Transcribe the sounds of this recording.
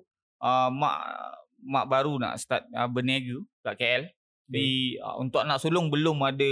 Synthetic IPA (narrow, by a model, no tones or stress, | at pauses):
əmã̰ʔ | ma̰ʔbaɾuna̰ʔst̪at̪̚əbəniaɡukaʔkeɛl | diḭṵnt̪ʊʔnaʔsulʊŋbəlʊmadə